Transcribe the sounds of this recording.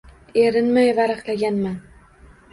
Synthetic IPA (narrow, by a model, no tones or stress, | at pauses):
eɾɪnmajvaɾaχlaɡʲanman